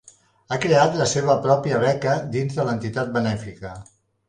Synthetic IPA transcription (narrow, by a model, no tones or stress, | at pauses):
akɾeat̪ləseβ̞əpɾɔpiəβ̞ɛkəd̪inzðələnt̪it̪at̪̚bənɛfikə